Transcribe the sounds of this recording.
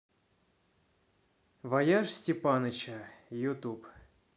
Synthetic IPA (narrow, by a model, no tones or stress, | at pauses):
vɐjaʂsʲtʲɪpanət͡ɕəjʊt̪up